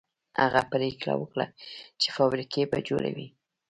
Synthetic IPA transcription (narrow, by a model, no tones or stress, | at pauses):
haɣapəɾikla̰wəkɽat͡ʃe̥fɑbɾikebad͡ʒoɽawi